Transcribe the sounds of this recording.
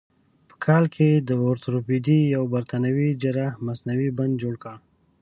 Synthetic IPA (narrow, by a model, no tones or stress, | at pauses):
pə̥kʰɑlkʰed̪əoɾt̪ɾopid̪ijawbaɾt̪ʰanawid͡ʒəɾahmasnawiband̪̚d͡ʒoɽkəɽ